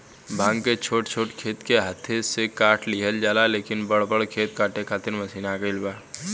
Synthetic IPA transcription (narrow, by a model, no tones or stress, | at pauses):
bʱãːŋɡket͡ʃʰoːʈt͡ʃʰoːʈkʰeːt̪keɦat̪ʰesekaːʈʰliɦəld͡ʒaːlaleːkɪnbɐɽbəɽkʰeːt̪̚kaːʈekʰaːt̪ɪɾmɐsiːnakəɪlbaː